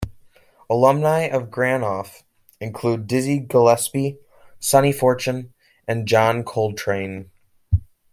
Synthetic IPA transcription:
əlʌ̃mnaɪʔʌvɡɹæ̃nɔf | ɨ̃nkʰl̥ʉdɪziɡəlɛspi | sʌnifɔɹt͡ʃɨ̃n | ʔɨ̃nd͡ʒɑ̃nkʰoʊlˠd̚tʰɹ̥ẽɪ̃n

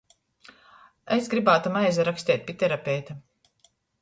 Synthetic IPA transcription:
esɡɾibaːt̪umajzaɾakst̪ʲiɛt̪̚ʲpʲit̪ɛɾapʲɛjt̪a

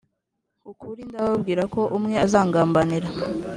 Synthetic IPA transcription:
ukuɾindaβaβɡiːɾako̞ʔumŋe̞azaːŋɡaːmbaniɾa

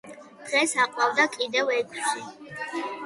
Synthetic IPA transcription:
d̪̥ʁɛsaqʼwavd̪akʼid̪ɛvɛkʰʷʼʃi

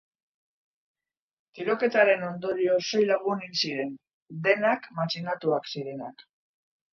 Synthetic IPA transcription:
t̪iɾo̞ke̞t̪aɾe̞no̞nd̪o̞ɾio̞so̞jlaɣuninsiɾe̞n | d̪e̞nakmat͡ʃinat̪uaksiɾe̞nak

